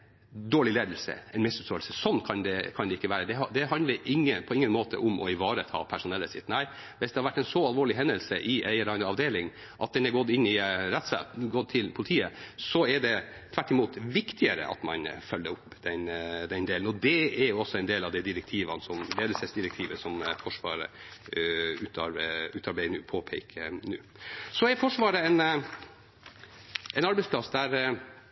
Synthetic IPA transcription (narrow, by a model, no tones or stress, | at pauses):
d̪oːɭɪleːd̪əlsə̰ɛnmɪsʉst̪oːlsəsɔnːkʰɑnd̪ɛkʰɑnd̪ɛɪkːəʋæːɾəd̪ɛɑd̪ɛɦɑnd̪ləɾʔɪŋːəpʰɔɪŋːənmoːt̪ʰə̰ʔʊmʔɔ̰ɪʋɑːɾət̪ʰɑ̰ːpʰæʂʊnɛlːəsɪt̪ːnæɪ | ʋɪsd̪ɛhɑɾʋæʈːɛɪnsɔɑlʋoːɭɪɦɛnd̪əlsəʔɪʔæɪəɾɑɪnəɑʋd̪eːlɪŋ | ʔɑt̪̚d̪ɛnæɾɡɔt̪ːɪnːɪɾɛt̪ːsæ̰t̪ɡɔt̪̚t̪ʰɪlpʰʊlɪt̪ʰiːəsɔɛɖɛ | t̪ʰʋæʈːɪmuːt̪ʋɪkt̪ʰɪəɾə̰ʔɑ̰t̪mɑ̰nfœlːəɾʊpːd̪ɛnd̪ɛnd̪eːln̩ɔd̪ɛɛɾjɔsɔɛɪnd̪eːlɑʋd̪ɛɪd̪ɪɾɛk̚t̪ʰiːʋɑnsɔmɾeːd̪əsɛsd̪ɪɾɛk̚t̪ʰiːʋəsɔmfɔʂʋɑ̰ːɾə̰ | ʉːt̪ɑʉːt̪ɑɾbæɪənʉːpʰoːpʰɛɪkʰənʉ̰ːsɔɛɾfɔʂʋɑːɾəɛn | ɛɪnɑɾbɛɪsplɑsd̪æɾ